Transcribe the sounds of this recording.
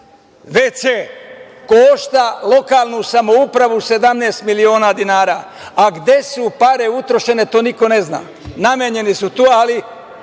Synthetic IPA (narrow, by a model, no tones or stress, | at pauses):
ʋet͡ɕe | koʃt̪alˠo̞kaːlˠnusamo̞upɾaʋuse̞d̪amneːst̪milio̞ːnaːd̪inaːɾaː | aɡd̪e̞supaɾe̞ut̪ɾo̞ʃe̞ne̞t̪oːniko̞ne̞zna̰ː | namjeɲe̞nisut̪oːali